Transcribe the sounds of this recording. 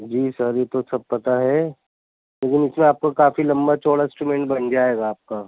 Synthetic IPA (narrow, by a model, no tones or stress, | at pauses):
d͡ʒiːsəɾjeːt̪osɐb̚pɐt̪aɦɛ | leːkɪnɪsmẽaːp̚kakaːfilɐ̃mbat͡ʃoːɽaɪsʈɾumɛ̃ɳʈ̚bɐnd͡ʒaːeːɡaːp̚kaː